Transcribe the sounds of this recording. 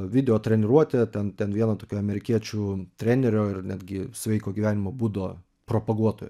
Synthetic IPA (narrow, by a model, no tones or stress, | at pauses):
ʋʲɪd̪ʲɛoːt̪ʲɾʲɛnʲɪɾuɔt̪ʲɛt̪ʲɛnt̪ʲɛnʋʲiɛnɐt̪oːkʲoːɐmʲɛɾʲɪkʲiɛt͡ʃʲuːt̪ʲɾʲæːnʲɛɾʲoːɪrnʲæːd̪ʲɡʲɪsʲʋʲɛɪkoːɡʲiʋʲæːnʲɪmoːbuːd̪oː | pɾoːpɐɡuɔt̪oːj